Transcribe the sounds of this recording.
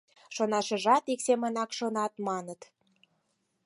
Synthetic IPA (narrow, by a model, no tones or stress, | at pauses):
ʃonɑʃə̆ʒɑt̪iksemənɑkʃonɑt̪mɑnət̪